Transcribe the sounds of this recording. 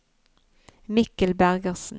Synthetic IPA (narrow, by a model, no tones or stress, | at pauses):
mɪkəlbæʁɡəʁsn̩